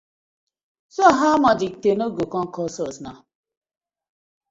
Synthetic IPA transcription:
soɦamad͡ʒik̚tenoɡokɔŋ̩kɔsɔsna̰

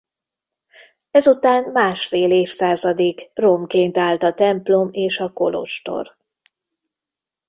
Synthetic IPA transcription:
ɛzut̪aːnmaːʃfeːleːfsaːzɒd̪eːkro̞mkeːnt̪aːlt̪ɒt̪ɛmplo̞meːʃɒko̞lo̰ʃt̪o̞̰r

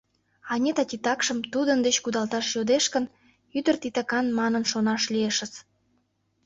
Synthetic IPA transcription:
ɑnʲet̪ɑt̪ʲit̪ɑkʃəmt̪ud̪ənd̪et͡ɕkud̪ɑlt̪ɑʃjod̪eʃkən | yd̪ərt̪it̪ɑkɑnmɑnənʃonɑʃlieʃə̆t͡s

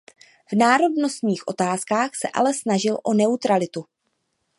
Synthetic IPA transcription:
v̥naːɾo̞dno̞st̪ɲiːxʔo̞̰t̪aːskaːxsɛʔa̰lɛsnaʒɪlʔo̞nɛut̪ɾalɪt̪u

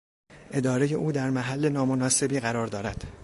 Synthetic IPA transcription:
ʔe̞d̪ɒːɾe̞je̞ʔuːd̪æɾmæɦælːe̞nɒːmo̞nɒːse̞biːɣæɾɒːɾd̪ɒːɾæd̪̥

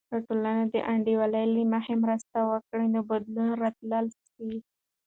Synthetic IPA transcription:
aʈolanad̪əʔaɳɖiwalajlimaxemɾəst̪awəkɽinobad̪lunɾat̪lals | i

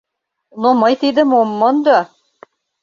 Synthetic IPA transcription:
nomɤjt̪id̪ə̆momːɤnd̪o

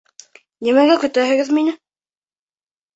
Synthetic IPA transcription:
nimæɡækɵ̆t̪æɦɘ̆ɡɘðminɘ

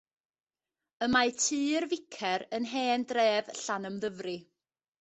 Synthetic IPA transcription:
əmajtʰiːrvɪkʰɛɾənɦeːndreːvɬanəmðəvrɨ

